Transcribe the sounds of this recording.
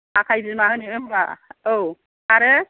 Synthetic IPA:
akʰajzɯmaɦɯniɯmba̰ow | aɾɯ

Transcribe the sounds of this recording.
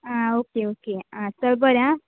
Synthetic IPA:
ãokeokeãsʌlbʌɾjã

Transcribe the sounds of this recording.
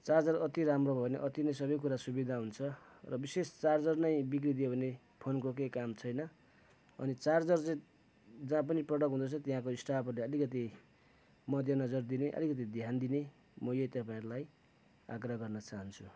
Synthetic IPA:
t͡sard͡zʌrʌt̪iɾamrobʱʌeneʔʌt̪inʌjsʌbʌjk̬uɾasubid̪ʱaɦunt͡sʰʌ | rʌbisest͡sard͡zʌrnʌjbik̬rid̪ijobʱʌne | pʰonkok̬ejkamt͡sʰʌjnʌ | ʌ̰nit͡sard͡zʌrt͡sʌ̃ | d͡zãp̬ʌniprʌɽʌkɦũnd̪ʌt͡sʰʌt̪iɦãkoisʈapʰʌrleʌlikʌt̪̬i | mʌd̪ʱjʌnʌd͡zʌrd̪ineʔʌ̰likʌt̪̬id̪ʱjand̪ine | mʌjejt̪ʌpaĩɾulaj | a̰ɡrʌɦaɡʌrnʌt͡saɦʌnt͡sʰu

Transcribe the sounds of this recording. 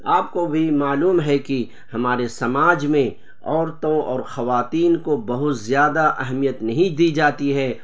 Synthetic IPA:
aːp̚kobʱimaːluːmɦɛki | hɐmaːɾesɐmaːd͡ʒmẽ | ɔːɾt̪õɔ̰ːɾxɐʋaːt̪iːnkobɐɦʊt̪zjaːd̪aʔɐɦmijət̪nɐɦĩd̪iːd͡ʒaːt̪iɦɛː

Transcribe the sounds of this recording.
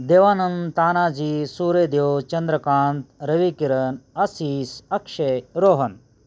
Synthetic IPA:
d̪eːʋaːnɐmt̪aːnaːd͡ʒiːsuːɾeːd̪jowt͡ʃɐnd̪ɾɐkaːnt̪ɾɐʋikiɾɐnɐsiːsɐkʂeɾoːɦɐn

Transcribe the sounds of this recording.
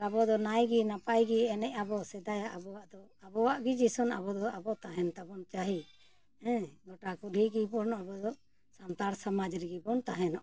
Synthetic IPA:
abɔd̪ɔnajɡinapajɡiɛnɛʔabɔsɛd̪ajaʔabɔwaʔd̪ɔabɔwaʔɡid͡ʒisɔnabɔd̪ɔabɔt̪aɦɛnt̪abɔnt͡ʃaɦi | ɛ̃ɡɔʈakuɾʱiɡibɔnabɔd̪ɔ | sant̪aɾsamad͡ʒɾiɡibɔnt̪aɦɛnɔʔ

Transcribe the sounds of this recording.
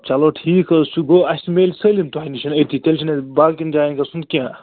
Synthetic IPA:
t͡ʃɐloːʈʰiːkɐsuɡoːɐsʲmelʲsɐlimt̪uɦɐnit͡ʃʰɐnɐt̪ʰit̪ʲelʲt͡ʃʰinɐbaːlkind͡ʒaːinkɐsund̪kʲãː

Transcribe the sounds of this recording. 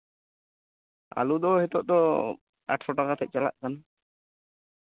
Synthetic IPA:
a̰lud̪ɔhɛt̪ɔʔd̪ɔ | a̰ʈʰɾɔʈakat̪ʰɛc̚ˀt͡ʃala̰ʔkan

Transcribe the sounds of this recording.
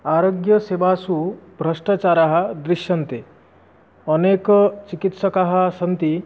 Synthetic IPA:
aːɾoːɡjəseʋasubʱɾɐʂʈat͡ʃaːɾaɦɐ̆d̪ɾiʃjɐnt̪e | ɔneːkt͡ʃikit̪sɐkaɦɐ̆sɐnt̪i

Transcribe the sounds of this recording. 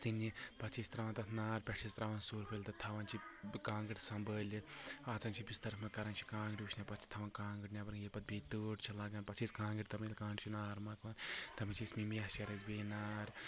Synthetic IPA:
t͡sɨnipɐt͡ʃʰist̪ɾɐʋɐːnt̪ɐt̪ʰnaːɾpʲɛʈʰist̪ɾɐʋɐnsuːɾpʰɨlʲt̪ɐt̪ʰɐʋɐnt͡ʃʰikãːŋɡiʈʲsɐmbəːlʲiaːt͡sɐːnt͡ʃʰibʲist̪ɐɾfmɐkɐɾaːnt͡ʃʰi̥kãːŋɡiʈʲuʃʰnʲapɐt͡ʃʰi̥t̪ʰɐʋɐnkaːŋɡɨʈnʲapɐɾŋjiɾpɐt̪̚bit̪uːʈt͡ʃʰilaːɡɐːnʲpɐt͡ʃʰiskãːŋɡiʈʲt̪ɐmilʲkãːɖt͡ʃʰinaːɾmɐkʋɐnt̪ɐmit͡ʃʰismimijɐsɐɾɐzbeːnaːɾ

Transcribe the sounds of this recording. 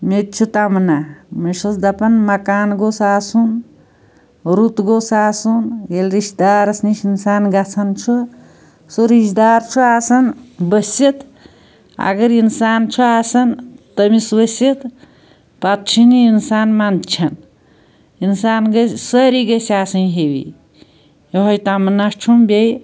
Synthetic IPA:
met̪̚t͡ʃʰut̪amnamɐʃɐsd̪ɐpɐnmɐkaːnɡosaːsun | ɾut̪ɡosaːsunjelɾiʃd̪aːɾɐsniʃinsaːnɡɐt͡sʰɐnt͡ʃʰu | soɾiʃd̪aːɾt͡ʃʰuaːsɐnbəsʲit̪ | a̰ɡəɾinsaːnt͡ʃʰuaːsɐnt̪əmisbəset̪ | pat̪̚t͡ʃʰiniinsaːnmant͡ʃʰɐn | insaːnɡɐsəɾiɡɐsaːsɐnɦewḭ | joɦojt̪amɐnast͡ʃʰumbʲej

